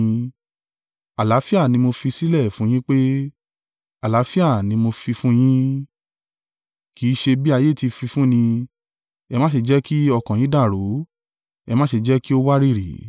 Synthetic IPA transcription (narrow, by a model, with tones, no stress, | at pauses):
a˨la˨˦fi˦a˦˨nĩ˧mo˧fi˧si˦lɛ˦˨fũ˨˦j̃ĩ˦k͡pe˦ | a˨la˨˦fi˦a˦˨nĩ˧˦mo˧fi˧fũ˦j̃ĩ˦ | ki˨˦ʃe˧bi˦a˧je˦˨ti˧fi˧fũ˦nĩ˧ | ɛ˧mã˦ʃe˧d͡ʒɛ˦ki˦ɔ˧kã˨j̃ĩ˨˦da˦˨ɾo˨˦ | ɛ˧mã˦ʃe˧d͡ʒɛ˦ki˦o˦wa˦ɾi˦˨ɾḭ˨˦